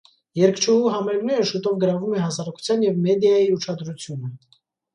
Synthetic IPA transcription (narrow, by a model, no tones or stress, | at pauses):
jɛɾkʰt͡ʃʰuhuɦɑmɛɡnɛɾəʃut̪ɔvɡəɾɑvumɛhɑsɑɾɑku̥t͡sʰjɑnjɛvmɛd̪jɑjiuʃʰɑd̪ɾut͡sʰjunə